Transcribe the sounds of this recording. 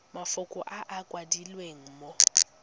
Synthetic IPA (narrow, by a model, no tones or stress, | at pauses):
mafʊkʼʊʔaʔakʼwadilweŋ̩mo